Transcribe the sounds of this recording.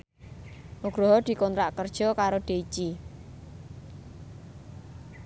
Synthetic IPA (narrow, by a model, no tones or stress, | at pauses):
ʔuɡ̥ɾɔɦɔd̪̥i̤kɔnt̪ɾaʔkərd̥ʒ̥ɔ̤kaɾoɖ̪̥e̤it͡ʃi